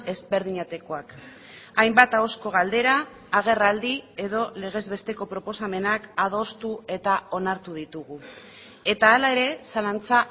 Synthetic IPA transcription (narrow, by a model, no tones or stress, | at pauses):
e̞zβe̞ɾðiɲat̪e̞ko̞ak | ajmbat̪ao̞sko̞ɣ̞ald̪e̞ɾaː | ɣ̞e̞rald̪ie̞ðo̞le̞ɣ̞e̞zβe̞st̪e̞ko̞pɾo̞po̞same̞nakaðo̞st̪ue̞t̪ao̞naɾt̪uð̞it̪uɣu | e̞t̪aːlae̞ɾe̞salant͡sa